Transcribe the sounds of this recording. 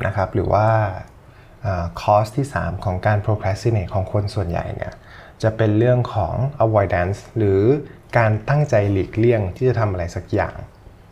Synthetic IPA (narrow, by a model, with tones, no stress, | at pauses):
nʔa̰˦˥kʰa˦˥p̚ɾɯː˩˦wʔaː˥˩ | ʔəː˨˩kʰɔː˦˥st̪ʰiː˥˩sa̰ː˩˦mkʰɔː˩˦ŋkaː˧npʰɾoː˧kʰɾɛː˦˥si˧˥neː˧˩kʰɔː˩˦ŋkʰo˧nsu˨˩ənja̰˨˩jnʔḭ˥˩ɐ | t͡ɕa˨˩pe˧nɾɯ˥˩əŋkʰɔː˩˦ŋʔa˧wɔː˧da˦˥nsɾɯː˩˦kaː˧nt̪a˥˩ŋt͡ɕa˧jliː˨˩k̚li˥˩əŋt̪ʰiː˥˩t͡ɕa˨˩t̪ʰa˧mʔa˧ɾa˧jsa˩˦k̚ja̰ː˨˩ŋ